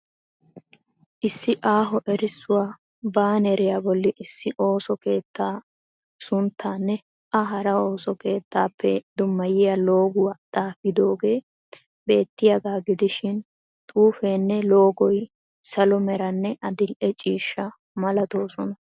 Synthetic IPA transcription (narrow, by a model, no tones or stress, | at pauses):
ʔɪsːɪʔaːɦɔʔɛɾɪsːʊwaː | baːnɛɾɪjabɔlːɪʔɪsːɪʔo̞ːsɔke̞ːt̪ːaː | sʊnt̪ʰːaːnːɛ | ʔɐɦɐɾɐo̞ːsɔke̞ːt̪ʰːaːpʰːɛd̪ʊmːɐjɪjalo̞ːɡʊwat̪ʼaːfɪd̪oːɡe̞ː | be̞ːt̪ːɪjɐɡaːɡɪd̪ɪʃɪn | t̪ʼuːfeːnːɛlo̞ːɡɔj | sɐlɔmɛɾɐnːɛʔɐd̪ɪlʔɛt͡ʃʼiːʃːɐ | mɐlɐt̪oːsɔnɐ